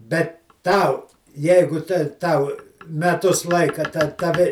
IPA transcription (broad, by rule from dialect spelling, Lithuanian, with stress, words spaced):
ˈbʲɛt ˈtɐʊ ˈjɛɪɡʊ tʲɛ ˈtɐʊ mʲɛˈtʊs ˈlˠɐɪkɐ tɐ tɐˈʋʲɪ